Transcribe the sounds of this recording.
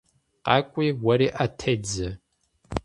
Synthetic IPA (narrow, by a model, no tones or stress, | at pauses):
qɑːkʷʼiːwɐɾiːʔatʰɐd͡zɐ